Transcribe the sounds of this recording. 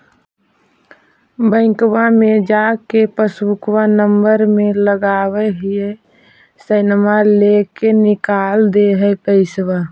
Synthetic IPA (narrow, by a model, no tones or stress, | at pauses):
bə̃ɪ̃kwamẽd͡ʒakepəsukwanəmbəɾmẽləɡaweɦie | səɪnmalekenɪkald̪eɦɛp̪əɪswa